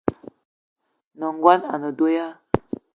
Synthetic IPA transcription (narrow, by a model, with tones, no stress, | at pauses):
nə˨ŋɡwa˦na˨nə˨do˦ja˦